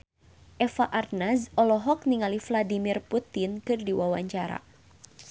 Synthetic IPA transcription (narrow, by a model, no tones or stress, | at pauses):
ʔɛfaʔarnasɔlɔɦɔk̚niŋalifladimirput̪ɪnkɨrdiwawaɲt͡ʃaɾa̰